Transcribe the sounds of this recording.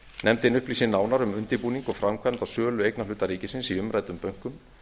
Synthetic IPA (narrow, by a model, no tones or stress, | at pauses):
nɛmt̪ɪnʏhpliːsɪnːaːwnaɾʏmʏnt̪ɪpuːniŋkɔɣfɾamkʰvamt̪asœːlʏejknalʏːt̪aɾiːcɪsɪnsiʏmɾajt̪ʏmpœɥŋ̥kʏm